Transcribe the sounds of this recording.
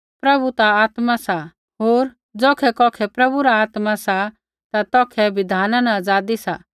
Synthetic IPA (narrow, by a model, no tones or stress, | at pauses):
pɾɐbʱut̪aaːt̪masa | ɦoːɾ | d͡zɔːkʰɛkɔːkʰɛpɾɐbuɾaaːt̪masa | t̪at̪ɔːkʰɛbɪd̪ʱaːnanaəd͡zaːd̪isa